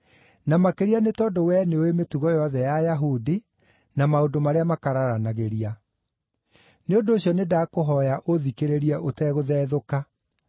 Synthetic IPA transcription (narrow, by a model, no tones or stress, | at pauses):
namakeɾianetɔdowɛneowemetuɣɔjɔðɛjajaɦudi | namaodomaɾeamakaɾaɾanaɣeɾia | neondoːɕjɔnedakoɦɔjaʔoðikeɾeɾiɛʔotɛɣoðɛːðoka